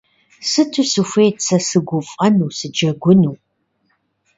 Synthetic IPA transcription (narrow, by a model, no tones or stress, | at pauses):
sɨtʰusufʷeːt͡sʰɐsɨɡʷʊfʼɐnuːsɨd͡ʒɐɡʷʊnuw